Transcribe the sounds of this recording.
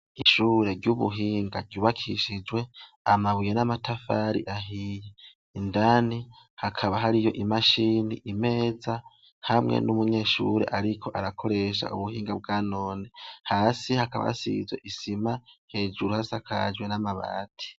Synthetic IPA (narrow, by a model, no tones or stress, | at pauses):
iʃuːɾe̞ɾɟuβṵɦiːŋɡaɾɟuːβakʰiʃid͡ʒwe̞ | amaβujenamatafaɾḭʔaɦije | indani | hakʰaβaɦaɾijo̞ʔimaʃiːniʔime̞ːza | hamŋḛnumuɲe̞ːʃuɾe̞̰ʔaɾikʰo̞ʔaɾakʰo̞ɾe̞ʃa̰uβuhiːŋɡab̚ɡaːno̞ːnehaːsihakaβa̰sḭzwe̞̰ʔisimahe̞ːd͡ʒuɾuhasakʰa̰d͡ʒwe̞namaβa̰ːtʰi̥